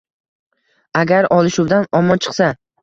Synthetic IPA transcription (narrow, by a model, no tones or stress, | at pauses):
aɡʲaɾɒlˠɪʃuwd̪anɒmɒnt͡ʃʰɨ̥qsa